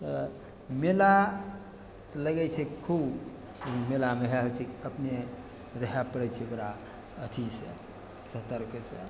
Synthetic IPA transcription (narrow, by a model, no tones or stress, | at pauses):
t̪ə | mela | t̪ələɡɛt͡ʃʰɛkkʰub | melameɦaɦəlt͡ʃʰikiəpne | ɾəɦapəɽɛt͡ʃʰikɾa | ət̪ʰisə̰ | sət̪əɾksə̰